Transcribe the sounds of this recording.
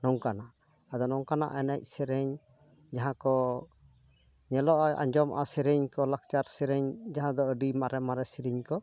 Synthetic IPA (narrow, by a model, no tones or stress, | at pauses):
nɔŋkanaʔ | ad̪ɔnɔŋkana̰ʔɛnɛc̚ˀsɛɾɛɲ | d͡ʒaɦãkɔ | ɲɛlɔʔɔja̰ɲd͡ʒɔmʔa̰sɛɾɛɲkɔlak̚t͡ʃaɾsɛɾɛɲd͡ʒaɦãd̪ɔəɖimaɾɛmaɾɛsiɾiɲkɔ